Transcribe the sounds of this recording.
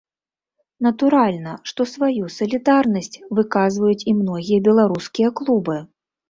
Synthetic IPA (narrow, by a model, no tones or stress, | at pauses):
nɐt̪uɾalʲnɐʂt̪ɔsvajusɐlʲid̪arnɐsʲt͡sʲvɨkazvɐjut͡sʲimnɔɣʲijɐbʲɛlˠaɾuskʲijɐklˠubɨ